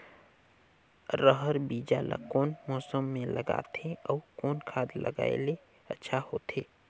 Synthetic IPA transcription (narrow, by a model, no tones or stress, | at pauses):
ɾəɦəɾbiːd͡ʒala̰koːnmɔːsəmːẽləɡa̰ːt̪ʰẽɔːkoːnkʰaːd̪lə̰ɡa̰ːḛle | ə̰tːʃʰahoːt̪eː